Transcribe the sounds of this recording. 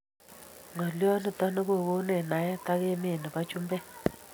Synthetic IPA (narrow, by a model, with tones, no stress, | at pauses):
ŋɔ˨ljɔ˦nɔ˨ta˦nɔ˦ko˦˨ɣo˦nɛ˨na˨jɛ˦ta˦ke˦me˦˨nɔ˨ba˦t͡ʃu˦mbɛ˦